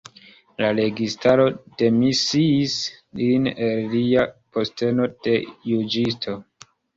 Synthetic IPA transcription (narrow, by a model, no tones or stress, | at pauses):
lale̞ɡistaɾo̞d̥e̞misiːslinelːiapo̞ste̞no̞d̥e̞jud͡ʒistʰo̞